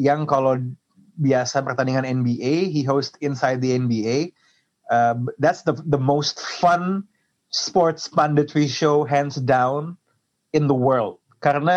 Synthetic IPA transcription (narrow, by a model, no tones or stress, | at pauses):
jaŋkalaw | biasapərt̪aniŋanɛnbiʔeɦiɦostɪ̃nsajd̪̚diɛnbiej | əd̪ɛtsdəðəmost̪fʌ̃n | spɔɹt̪spãndət̪ɾiʃoʊɦɛ̃nsdãwn | ɪ̃nðəwə˞ld̚kaɾəna